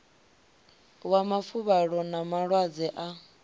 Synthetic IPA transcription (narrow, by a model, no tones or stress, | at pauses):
wamafuβaɺɔnamaɺwad͡zɛʔa